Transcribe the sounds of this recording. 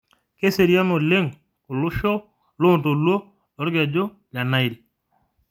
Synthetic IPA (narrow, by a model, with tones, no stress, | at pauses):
ke˦se˨ɾja˦nɔ˨le˦ŋ | kʊ˨lʊ˦ʃɔ˦ | lo˦˨nto˨lwo˦ | ɔ˨˦ɾɡɛ˨d͡ʒo˦ | la˨na˦i˨ɾi˨